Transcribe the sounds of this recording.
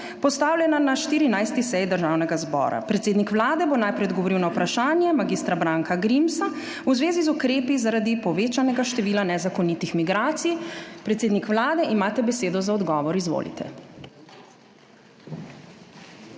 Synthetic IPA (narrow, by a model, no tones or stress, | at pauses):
pɔst̪aːwlʲjɛnanaʃt̪iːɾinajst̪isɛjd̪əɾʒawnɛɡazbɔ̰ːɾa̰pɾɛt̪seːd̪nikʋlaːd̪ɛbonajpɾɛɔd̪ɡɔʋɔɾiwnawpɾaʃaːnjɛmaɡist̪ɾabɾaːŋkaɡɾimsa | uzʋeːzizukɾeːpizaɾad̪ipɔʋeːt͡ʃanɛɡaʃt̪ɛʋiːlanɛzakɔnit̪ixmiɡɾaːt̪sijpɾɛt̪seːd̪nikʋlaːd̪ɛʔimaːt̪ɛbɛseːd̪ɔzaɔd̪ɡɔːʋɔɾizʋo̰lḭt̪ʰɛ̰